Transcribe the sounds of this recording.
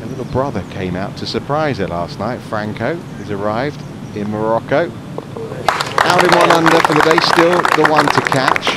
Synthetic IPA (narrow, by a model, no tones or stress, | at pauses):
əlɪɾl̩ˠbɹʌðə˞kʰẽɪ̃maʊtʰɨsəpʰɹ̥aɪzəlæsnaɪtfɹæ̃ŋkʰoʊ | əzə˞aɪvd | ɪ̃nməɹɑkoʊ | aʊɾɨ̃nwʌ̃nʌ̃ndəfəðədeɪstɪlˠðəwʌ̃ntʰəkʰæt͡ʃ